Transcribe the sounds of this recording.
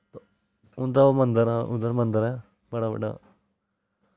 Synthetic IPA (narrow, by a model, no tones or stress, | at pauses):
t̪o | ʊnd̪aomənd̪əɾaːʔʊ̰d̪əɾmə̃nd̪əɾɛː | bəɽaːbə̰ɖa̰ː